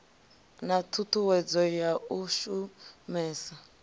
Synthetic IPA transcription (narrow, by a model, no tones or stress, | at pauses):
natʰutʰuwɛd͡zɔjauʃumɛːsa